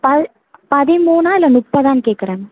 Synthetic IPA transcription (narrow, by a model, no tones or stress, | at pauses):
pɐ | pɐðimuːnaːilːɐnupːɐðaːnkeːʈkɐɾɐːm